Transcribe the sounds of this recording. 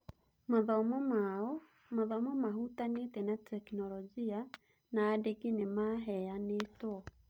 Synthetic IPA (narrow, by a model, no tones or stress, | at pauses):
maðɔmɔmaɔ | maðamɔmaɦutanetɛnatʰɛknɔlɔd͡ʒia | naːdeɡinemaɦɛanetwɔ